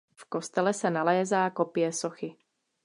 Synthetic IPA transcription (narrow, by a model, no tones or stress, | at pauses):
fkɔst̪ɛlɛsanalɛːzaːkɔpɪɛsɔxi